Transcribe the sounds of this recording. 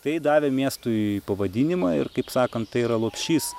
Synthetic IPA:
t̪ɐɪd̪ɑːʋʲemʲiɛst̪uːpɐʋɐd̪ʲiːnʲɪmɑːɪ̰rkɐɪpsɑːkɐnt̪t̪ɐɪiɾɐlˠoːpʲʃʲiːs

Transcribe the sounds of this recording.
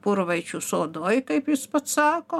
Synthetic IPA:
pʊɾʋɐɪt͡ʃʲusoːd̪oːjkɐɪpjɪspɐt̪sɑːkoː

